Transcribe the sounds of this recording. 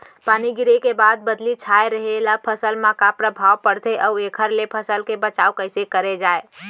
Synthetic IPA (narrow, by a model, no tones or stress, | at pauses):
paniɡiɾekebad̪̚bəd̪lit͡ʃʰaeɾəɦelapʰəsəlmãkapɾəbʱawpəɽt̪eʔəuekʰəɾlepʰəsəlkebət͡ʃaukəɪsekəɾed͡ʒae